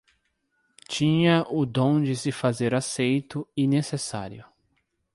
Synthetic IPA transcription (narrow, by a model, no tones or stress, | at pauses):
t͡ʃĩɲɐʔʊd̪õw̃d͡ʒɪsɪfazeɾasejt̪ʊinesesa̰ɾjʊ